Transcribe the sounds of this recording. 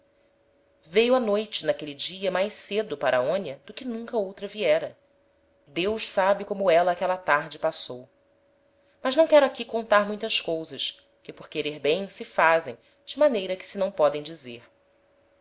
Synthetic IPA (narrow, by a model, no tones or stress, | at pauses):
vejʊanojt͡ʃɪnakelid͡ʒiɐmajʃsed̪ʊpaɾʔɐaõnjɐd̪ʊkɪnũŋkɐowt̪ɾɐviɛɾɐ | d̪ewʃsabɪkõmʊɛlɐːkɛlɐt̪aɾd͡ʒɪpasow | mɐʒnɐ̃w̃kɛɾʊakikõnt̪aɾmũj̃t̪ɐʃkowzɐʃ | kɪpʊɾkeɾeɾbẽj̃sɪfazḛ̃j̃ | d͡ʒɪmanejɾɐkɪ̥sɪnɐ̃w̃pɔd̪ẽj̃d͡ʒizeɾ